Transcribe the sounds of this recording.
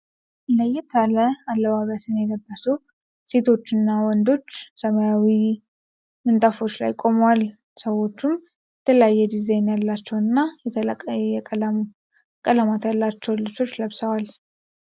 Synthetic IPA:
ləjɛt̪ʰaləalːəβaβəsɨnjɛɡəbːəsu | se̞t̪ʰo̞t͡ʃːɨnːawɔnd̪o̞t͡ʃːsəmajawi | mɨnt̪ʼafo̞t͡ʃːla̰jkʼo̞mwal | səwo̞t͡ʃːum | jɛt̪ʰələjajːɛd̪izajnjalːat͡ʃːɛwɨnːajɛt̪ʰʼɛ | kʼələmat̪jalːat͡ʃːɛwlɨt͡ʃo̞t͡ʃːləβsəwal

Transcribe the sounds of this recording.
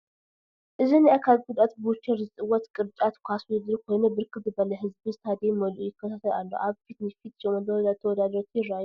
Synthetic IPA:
ʔɨzɨnjɛʔakʰalɡud̪ʼat̪bʊt͡ʃʰːɛɾzɨsʼɨwɔt̪kʼɨɾt͡ʃʼat̪kʰʷasɨd̪ɨlkʰojnəbɨɾkʰɨb̪ɨbələɦɨzbɨnst̪ʰad̪eməlujɪkʰːət̪ʰat̪ʰəlalːə̰wʔaβfit̪nɛfit̪t͡ʃɛməd̪əɾd̪at̪ʰəwɔd̪ad̪əɾot̪ʰirːaj

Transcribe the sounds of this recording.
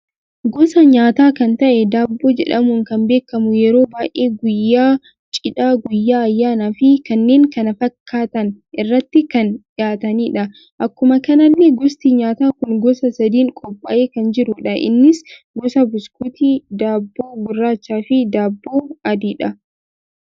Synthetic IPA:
ɡɔsɐɲaːt̪aːkɐnt̪ɐʔɛd̪aːbːo̞ːd͡ʒɛ̰ᶑɐmʊŋkɐmbe̞ːkːɐmʊjɛɾo̞ːbaːʔeːɡʊjːaː | t͡ʃʼɪᶑaːɡʊjːaːɐjːaːnaːfɪkɐnːe̞ːŋkɐnɐfɐkʰːaːt̪ɐn | ɪrːɐt̪ːɪkɐnᶑɪaːt̪ɐniːᶑɐ | ʔɐkːʊmɐkɐnɐlːeɡɔst̪iɲaːt̪aːkʊŋɡɔsɐsɐd̪iːŋkʼɔpʼːɐʔeːkɐnd͡ʒɪɾʊᶑɐʔɪ̰nːɪs | ɡɔsɐbʊskut̪iːd̪aːbːo̞ːɡʊrːaːt͡ʃːaːfɪd̪aːbːoːɐd̪iːᶑɐ

